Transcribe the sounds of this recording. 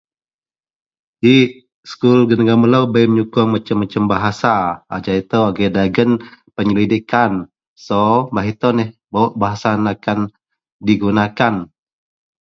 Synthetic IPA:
i | skulɡənəɡaməlawbajmɲukʊŋmat͡ʃəmːat͡ʃəmbaɦasaad͡ʒait̪əwaɡədaɡənpəɲəlidikan | sɔbaɦit̪onɛhbawʔbaɦasanakan | diɡunakan

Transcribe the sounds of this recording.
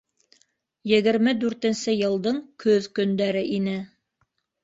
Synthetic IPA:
jɘ̆ɣɘ̆ɾmɘd̪ʉɾt̪ɘ̆nsɘjɤ̆lˠd̪ɤɴkʰɵðkɵ̆nd̪æɾɘʔinɘ

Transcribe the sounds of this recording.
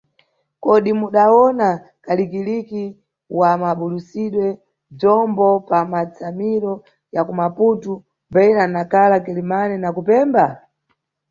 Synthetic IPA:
kɔɗimuɗaɔna | kalikiliki | wamaɓulusiɗwɛ | b͡ʐɔmbɔpamat͡samiɾɔ | jakumaputu | bɛiɾanakalakɛlimanɛnakupɛːmba

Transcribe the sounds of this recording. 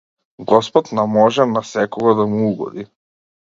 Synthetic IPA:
ɡɔspɔt̪namɔʒɛnasɛkɔɡad̪amuuɡɔ̰d̪i

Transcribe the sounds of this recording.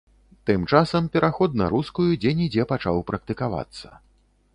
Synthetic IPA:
t̪ɨmt͡ʂasɐmpʲɛɾʔaxɔd̪na̰ɾuskujud͡zʲɛnʲid͡zʲɛpat͡ʂawpɾɐk̚t̪ɨkava̰t̪sːɐ̥̰

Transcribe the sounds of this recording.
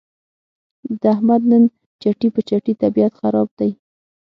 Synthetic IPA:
d̪əahmad̪nən | t͡ʃaʈipət͡ʃaʈit̪abiat̪xaɾɑb̚d̪̥aj

